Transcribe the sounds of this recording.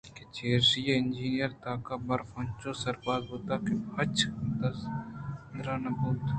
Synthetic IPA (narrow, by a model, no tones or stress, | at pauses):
ket͡ʃeːɾsijeɪnd͡ʒiːnijəɾt̪aːkabɐɾfɐ̃nt͡ʃosɐɾbaːd̪boːt̪akebɐt͡ʃd̪ɐsnd̪ɾaːnɐbuːt̪